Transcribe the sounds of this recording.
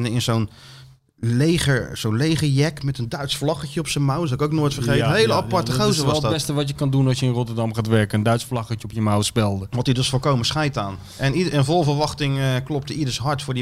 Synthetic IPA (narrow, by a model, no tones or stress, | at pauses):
nəɪnzon | leχəz̥ownlejχəɹjɛkmɛtəndœɥtsflɑχəcəɔpsənmawsɔlˠɪkowknoːjtfərχejəɦeləɑpɑɹtəχowzəʋɔsdbɛstəʋɑtjəkɑndunɑlˠsjəɪnrɔtəɹdɑmχaːtʋɛɹkənəndœɥtsflɑχəəɔpjəmawspɛlˠdəʋɔtidøsfolˠkowməsχɛjtaːn | ʔɛniənvɔlˠvərʋɑχtɪŋəklɔp̚təidəɹsɦɑɹtfʊːɹdi